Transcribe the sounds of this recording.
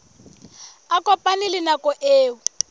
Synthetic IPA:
akɔpʼanilɪnakɔʔeːwʊ

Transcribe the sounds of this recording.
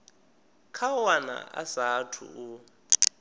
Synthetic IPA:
kʰawana̰a̰satʰṵu

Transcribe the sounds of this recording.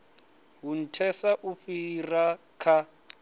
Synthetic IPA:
ɦun̩tʰɛsaʔuɸira | kʰa

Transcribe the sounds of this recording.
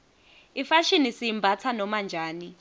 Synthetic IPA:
ifaʃinisiimbʱat͡sʰanɔmand͡ʒʱaːni

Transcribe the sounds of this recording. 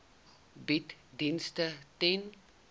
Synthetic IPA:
bitdinstəten

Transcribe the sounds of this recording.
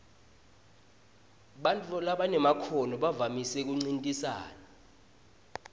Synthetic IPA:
ɓantʼɔlaɓanɛmakʰɔnɔɓavamisɛk̬uŋ͡ǀintʼisa̰ːna

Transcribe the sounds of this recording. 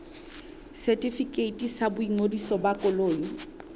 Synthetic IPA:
sɛtʼifikʼeitʼisabʊiŋodisɔbakʼʊloːjɔ

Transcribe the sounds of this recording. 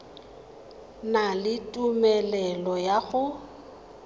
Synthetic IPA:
nalɪtʼumɛlɛlɔjaɣʊ

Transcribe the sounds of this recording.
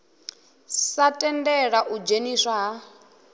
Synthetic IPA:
satʼɛndɛɺaʔud͡ʒeniʂaɦa

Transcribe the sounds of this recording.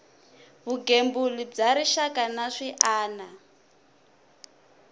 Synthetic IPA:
βuɡembulib͡ʐaɾiʃakanaʂiʔaːna

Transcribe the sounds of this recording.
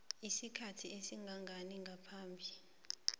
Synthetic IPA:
isikʰatʰiesiŋɡʱaŋɡʱaniŋɡʱapʰaːmbʱi

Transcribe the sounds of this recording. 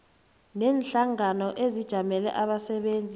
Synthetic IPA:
nɛːnɬaŋanɔʔezid̥ʒ̥ʱamɛlɛ̰ʔaɓasɛɓeːnd͡zʱi

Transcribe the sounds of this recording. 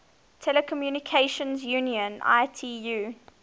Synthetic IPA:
tʰɛləkʰɔmjuːnikʰeɪʃə̃nzjũːniə̃nʔa̰ɪtʰiːjuː

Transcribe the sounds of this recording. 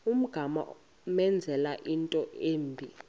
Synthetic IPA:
um̩ɡ̥ʱama̰ | mɛnd͡zʱɛlaʔintʼɔʔeːmbʱi

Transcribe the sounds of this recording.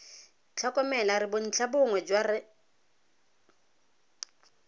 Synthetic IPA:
t͡ɬʰakʼɔmɛlaɾɪbʊn̩t͡ɬʰabʊŋwɛd͡ʒwarɪ

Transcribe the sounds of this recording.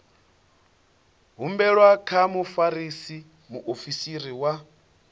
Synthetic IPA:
ɦumbɛɺwakʰamufaɾisi | muʔofisiɾiwa

